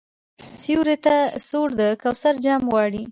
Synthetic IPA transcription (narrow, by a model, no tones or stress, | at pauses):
siuɾet̪asoɽd̪əkawsaɾd͡ʒɑmɣɑɽi